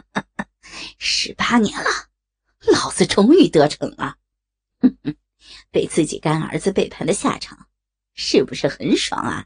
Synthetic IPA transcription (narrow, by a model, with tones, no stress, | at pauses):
ʂɻ̩˧˥pa˥njɛ˧˥nlə˧ | lɑ˨˩ʊt͡sɹ̩˧˩ʈ͡ʂʊ˥ŋy˥˩t̪ɤ˧˥ʈ͡ʂʰɤ̰˧˥ŋlə˧ | pe˨˧˩ɪt͡sɹ̩˥˩t͡ɕḭ˨˩ka˥nə̰˞˧˥d͡zɹ̩˧pe˥˩ɪpʰa˧˥nd̪ə˧ɕja̰˥˩ʈ͡ʂʰɑ̰˨˩˦ŋ | ʂɻ̩˥˩bu˨˩ʂɻ̩˥˩xə˧˥nʂwɑ̰˧˥ŋɐ̰˧˩